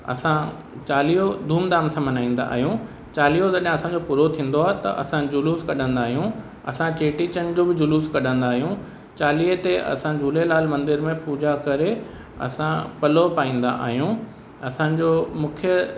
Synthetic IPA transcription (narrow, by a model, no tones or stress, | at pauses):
ɐ̰sã | t͡ɕaːliod̪ʱuːmd̪aːmsãmɐnaːĩːn̆d̪a̰a̰ːɦijũ | t͡ɕaːlijot̪ɐɗɦɪ̃ɐsãɲd͡ʑopuːɾot̪ʰĩːn̆d̪oaːɦet̪ɐ̰ʔɐ̰sãd͡ʑʊluːskɐɗə̃nd̪aːɦijũ | ɐ̰sãt͡ɕeːʈit͡ɕənɪ̆d͡ʑoːbɪd͡ʑʊluːskɐɗə̃nd̪aːɦijũ | t͡ɕaːliːt̪eʔɐ̰sãd͡ʑʱuːlelaːlmɐ̃nd̪ɪɾmẽpuːd͡ʑakɐɾe | ɐ̰sãpɐlopaːĩːn̆d̪a̰ʔa̰ːɦijũ | ɐsãːɲd͡ʑoːmʊ̃kʰjə